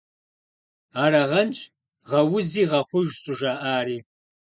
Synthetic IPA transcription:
aːɾɐʁɐnt͡ʃʼ | ʁɐwʊziːʁɐχʷʊʒɕʼʊʒaːʔaːɾiː

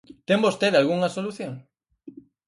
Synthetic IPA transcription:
t̪embost̪eðalɣuŋɐsoluθjoŋ

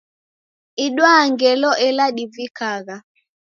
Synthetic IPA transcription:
iɗwaːŋɡɛlɔʔɛlaɗivikaɣa

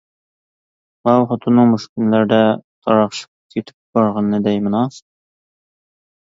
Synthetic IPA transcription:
ʁɑwχŏt̪ʰŏnɤɴmɵ̆ʃkĭnlæɾd̪æt̪ʰɒɾɑqʃɤ̥qkit̪ɘ̥p̚bɑɾʁɑnːæd̪æjmɤ̆nɑs

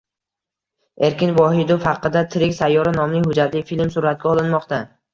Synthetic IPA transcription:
e̞ɾkʲɪnvɒɦɪd̪ʊfhaqːɨd̪at̪ʰɪɾɪkʲsajːɒɾanɒmnɪŋhʊd͡ʒat̪lɪjfilmsʊɾat̪̚ɡʲaɒlˠɪnmɒqt̪a

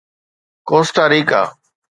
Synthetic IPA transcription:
kõːst̪aːɾiːka̰ː

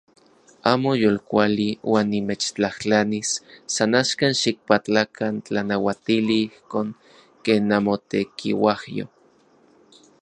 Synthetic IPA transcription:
aːmojolkʷaliwaːnːimet͡ʃt͡ɬaht͡ɬanisːanaʃkanʃik̚pat͡ɬakʰant͡ɬanawat̪iliihkoːŋ | keːnːamot̪ekḭwahjo̰

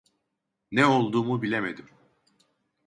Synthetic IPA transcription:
nɛo̞lˠd̪uːmubilʲeme̞d̪im

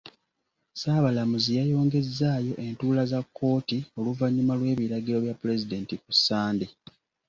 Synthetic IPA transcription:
saːβalamuzijajo̞ːŋɡe̞zːaːjo̞ʔe̞ntuːlazakːo̞ːtio̞luvaɲːumalwe̞ːβiɾaɡiɾo̞βjapːule̞zide̞ntikusːaːnde

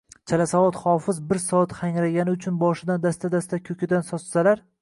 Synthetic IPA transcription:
t͡ʃʰalasavɒt̪χɒfɪzbɪɾsɒat̪χaŋɾaɡʲanɪʊt͡ʃʰʊnbɒʃɪd̪and̪ast̪ad̪ast̪akʲʰɵkʲʰɪd̪ansɒt͡ʃsalaɾ

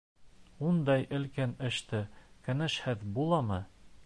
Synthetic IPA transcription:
und̪ɑjʔɘ̆lkænɘ̆ʃt̪ɘkæ̆nɘʃhɘðbulˠɑmɤ

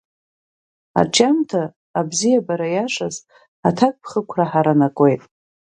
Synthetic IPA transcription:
a̰t͡ʃʰʼamtʰaː | bzijabaɾajaʂaz | atʰakʼpʰχəkʷʰraħaɾanakʼe̞jtʼ

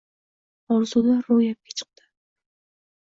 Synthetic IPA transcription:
ɒɾzulaɾːojap̚kʲʰḁt͡ʃʰɨ̥q̚d̪ɪ̥

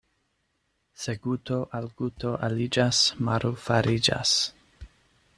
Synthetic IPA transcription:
seɡutoʔalɡuto̞ʔalid͡ʒasmaɾufaɾid͡ʒa̰s

